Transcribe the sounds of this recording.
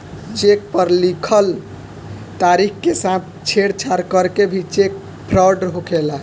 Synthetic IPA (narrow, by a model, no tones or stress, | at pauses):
t͡ʃek̚pəɾlikʰəl | t̪aɾikʰkesãt̪̚ʰ | t͡ʃʰeɽt͡ʃʰaɾkəɾkebʱit͡ʃek̚ | pʰɾawɖəɾɦokʰela